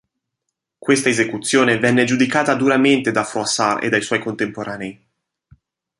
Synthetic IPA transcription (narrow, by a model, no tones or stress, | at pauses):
kwest̪aezekut̪sːjoːnevɛnːed͡ʒud̪ikaːt̪ad̪uɾament̪ed̪afɾoasarḛd̪ajswɔjkont̪empoɾʔaːneːi